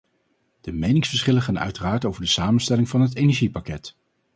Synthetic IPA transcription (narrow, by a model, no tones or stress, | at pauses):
d̥əmejnɪŋsfəɹsχɪləχaːnœ̰ɥtəraːɹtowvəɹdəsaːmənstɛlɪŋvɑnɦətejnɛɹʒipakɛt